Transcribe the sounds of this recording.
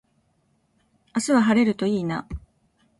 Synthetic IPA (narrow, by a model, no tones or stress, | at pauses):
asɨβaɦaɾe̞ɾɯ̟t̪o̞iːna